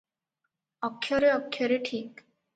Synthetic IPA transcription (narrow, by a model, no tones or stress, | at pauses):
ɔkʰːjɔɾeɔkʰːjɔɾeʈʰiːk